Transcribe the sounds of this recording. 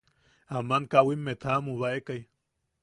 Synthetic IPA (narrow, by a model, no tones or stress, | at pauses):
amankawimːet̪ʰamũβaekaj